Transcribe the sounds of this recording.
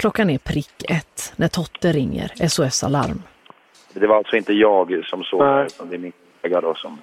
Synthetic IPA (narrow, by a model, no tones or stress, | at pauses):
kʰlɔkːanɛpʰɾɪkːɛt̪ːnæʈ̪ʰɔt̪ːəɾɪŋːə̰ɾɛsʊɛsa̰la̰ɾm | d̪ɛvaɾalt̪sɔɪnt̪əjɑːɡsɔmsoːɡʉt̪and̪ɛɛɾmɪnkʰɔleɡaɖɔsɔm